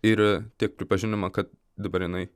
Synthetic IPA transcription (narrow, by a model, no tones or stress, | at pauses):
ɪɾt̪ʲiɛk̚pʲɾʲɪpɐʒʲɪnʲɪmɐkɐt̪̚ | d̪ɐbɐɾʲjɪnɐɪ